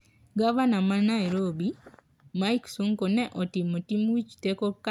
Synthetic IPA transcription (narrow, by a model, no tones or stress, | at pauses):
ɡavanamanaiɾobi | majksuŋkonɛʔotimotimwit͡ʃtekok